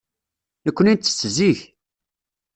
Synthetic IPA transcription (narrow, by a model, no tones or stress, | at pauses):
nəkʷːənit͡s̪ːə̥sːəziç